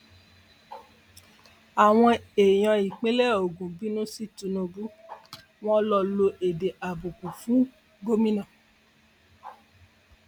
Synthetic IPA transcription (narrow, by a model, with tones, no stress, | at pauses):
a˨w̃ɔ̃˧e˨j̃ã˨˧i˨k͡pẽ˦lɛ˦o˨ɡũ˨bi˨˦nũ˦si˦tũ˧nũ˧bu˦ | w̃ɔ̃˦lɔ˧lo˧ʔe˨de˨ʔa˨bu˨ku˨fũ˨˦ | ɡo˦mĩ˦nã˨